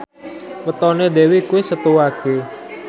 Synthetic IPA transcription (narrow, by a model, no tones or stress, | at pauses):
wət̪ɔned̪ɛwikuwesət̪uwake